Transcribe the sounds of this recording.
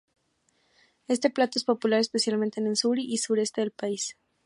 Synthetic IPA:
e̞st̪e̞plat̪o̞e̞spo̞pulaɾespesjalmẽnt̪enelsuɾiʔːsuɾe̞st̪e̞ðelpais

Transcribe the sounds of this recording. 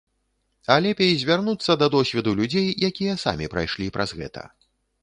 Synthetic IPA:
alʲɛpʲejzʲvʲarnut̪sːɐd̪ɐd̪ɔsʲvʲɛd̪ulʲud͡zʲejjakʲijɐsa̰mʲipɾa̰jʂlʲipɾʔazɣɛ̰t̪ʰɐ̰

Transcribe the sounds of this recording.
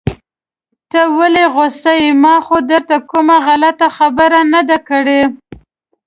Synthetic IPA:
t̪əwaleɣost̪ajimɑxod̪əɾt̪akʊmaɣalat̪axabəɾanad̪akəɽe

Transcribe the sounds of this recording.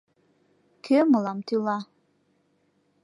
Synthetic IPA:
kʰømɤlˠɑmt̪ulˠɑ

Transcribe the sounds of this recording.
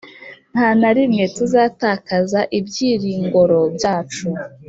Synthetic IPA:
n̥hanaɾimŋe̞tuzaːtaːkazaʔibjiːɾiːŋɡo̞ɾo̞bjaːt͡ʃu

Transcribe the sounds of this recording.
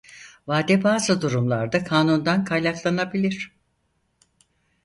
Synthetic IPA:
vaːd̪ɛbaːzɯd̪uɾumlˠa̰ɾd̪akʰaːnund̪ankʰajlʲaklˠanabilʲiɾ̥

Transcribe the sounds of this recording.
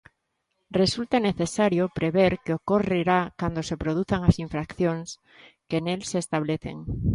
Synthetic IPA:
result̪aneθesaɾjopɾeβeɾkeokoreɾakand̪osepɾoð̞uθaŋasiɱfɾakθjõŋs | kenelseːst̪aβ̞leθḛŋ

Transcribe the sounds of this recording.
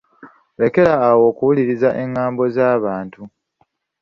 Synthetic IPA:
βe̞ke̞ɾaːwo̞ːkuwuliɾizaʔe̞ŋːaːmbo̞zaːβaːntu

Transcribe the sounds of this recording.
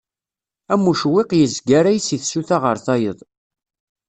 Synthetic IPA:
æmːuʃwɪqjəzɡæɾæjsiθsuθaʁəɾθɑjəðˤ

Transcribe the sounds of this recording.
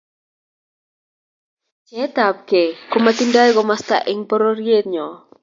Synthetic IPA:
t͡ʃɛt̪ap̚kekomat̪indajɡɔmast̪a̰ʔɪŋpɔɾoɾjet̪̚ɲɔ

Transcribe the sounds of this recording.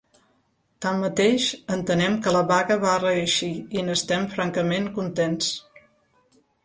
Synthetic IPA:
t̪amːət̪eʃənt̪ənɛmkələβaɣəβarəəʃiinəst̪ɛmfɾaŋkəmeŋkunt̪ens

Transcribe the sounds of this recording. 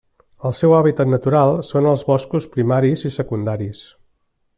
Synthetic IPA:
əlˠsɛwaβit̪ət̪nət̪uɾalˠsonəlˠzβɔskuspɾimaɾizisəkund̪aɾis

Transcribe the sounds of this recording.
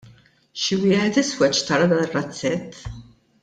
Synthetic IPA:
ʃɪwɪːħɛt̪ɪswɛt͡ʃːt̪ɐɾɐd̪ɐːnɪrːɐt͡sːɛt̪ʰː

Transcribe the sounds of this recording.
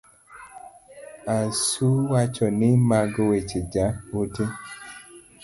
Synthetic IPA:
asuwat͡ʃɔnɪmaɡɔwet͡ʃed͡ʒaote

